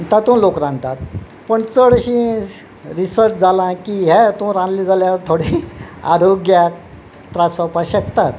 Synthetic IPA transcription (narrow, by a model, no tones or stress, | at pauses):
t̪at̪ũːlokɾãnd̪t̪at̪̚ | pəɳt͡səɽɕĩ | ɾisəɾt͡ɕd͡zalãkiɦɛt̪ũɾãnd̪lid͡zaljat̪ʰoɽia̰ɾʱoɡja | t̪ɾasəpaɕək̚t̪at̪